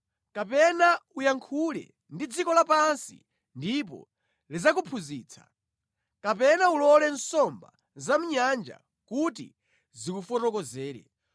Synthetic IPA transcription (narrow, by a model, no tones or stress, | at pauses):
kapɛnaujaŋkʰulɛ̰ | ndid͡zikɔlapansḭ | ndip̬ɔ̰ | lizakupʰuziːt͡sʰḁ̰ | kapɛnaulɔlɛnsɔmba̰ | zam̩ɲand͡ʒa̰ | kutḭ | zikufɔtɔkɔzɛːɾɛ̰